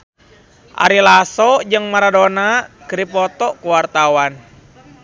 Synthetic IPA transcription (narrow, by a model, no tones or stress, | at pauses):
ʔa̰ɾilasɔd͡ʒɨŋmaɾadonakɨɾipɔt̪ɔkuwart̪awan